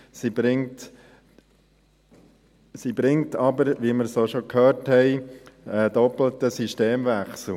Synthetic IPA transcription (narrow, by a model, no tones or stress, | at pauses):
sibɾɪŋt | sibɾɪŋtɑbəɾʋiməɾsoːʃokʰhøːrthɛɪədɔpl̩t̪əsisʃteːmvæχsl̩